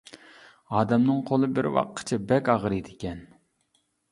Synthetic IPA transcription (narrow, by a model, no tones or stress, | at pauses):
ɑːd̪ɛmnɨŋqʰolˠɨbɪɾwɑ̰qʰːə̥t͡ʃʰɛbɛkʲɑʁɾɨd̪ɪkʲɛn